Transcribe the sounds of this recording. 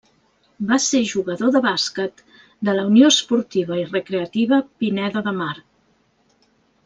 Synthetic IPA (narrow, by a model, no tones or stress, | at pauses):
baseʒuɣəðoðəβaskət̪ | d̪ələuniospuɾt̪iβ̞əirəkɾeət̪iβəpinɛðoðəmaɾ